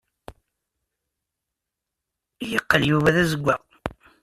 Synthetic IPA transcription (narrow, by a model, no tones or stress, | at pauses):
ijəqːəljuvæðæzəɡʷːæ